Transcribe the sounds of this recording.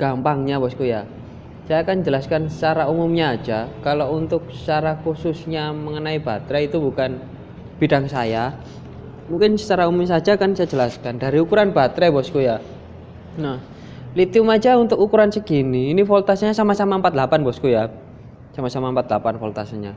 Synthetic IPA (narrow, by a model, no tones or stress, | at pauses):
ɡ̥ampaŋɲabɔskuja | sajakand͡ʒəlaskansət͡ʃaɾaumʊmɲḁːd͡ʒakalount̪ʊk̚ə̥t͡ʃaɾakusʊsɲaməŋənaibat̪ɾɛit̪ubukan | b̥idaŋsaja | muŋkɪnsə̥t͡ʃaɾaumʊmsad͡ʒakansajad͡ʒəlaskandaɾiukuɾanbat̪ɾɛbɔskuja | nah | lit̪iʊmad͡ʒaunt̪ʊkukuɾansəɡiniːnifɔlt̪asaɲasamasamaəmpat̪lapanbɔskuja | samasamaəmpat̪lapanfɔlt̪asanɲa̰